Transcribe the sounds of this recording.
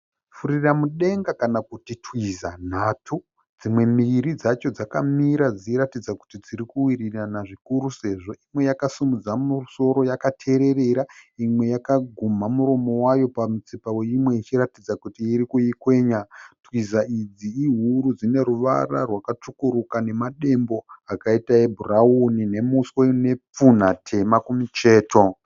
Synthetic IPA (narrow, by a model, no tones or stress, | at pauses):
fuɾiramuɗe̞ŋɡakanakutitwizan̤atʰu | d͡zimwe̞miɾid͡zat͡ʃo̞d͡zakamiɾad͡ziɾatid͡zaku̥tid͡ziɾikuwiriranaʐikuɾuse̞ʐo̞imwe̞jakasumud͡zamuso̞ɾo̞jakatʰe̞ɾe̞re̞ɾaimwe̞jakaɡʱumamuɾo̞mo̞wajo̞pamut͡sipawe̞imwe̞it͡ʃiɾatid͡zakutiːɾikuikwe̞ːɲatwizaid͡ziiɦuɾud͡zine̞ɾuʋa̰ra̰rwakat͡ʂukuɾukane̞maɗe̞mbo̞akaitaebʱuraunine̞muswene̞p͡fun̤atʰe̞makumut͡ʃe̞ːto̞